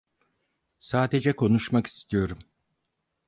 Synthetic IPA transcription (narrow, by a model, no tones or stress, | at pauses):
saːd̪e̞d͡ʒɛkʰo̞nuʃmaki̥st̪ʰijo̞ɾum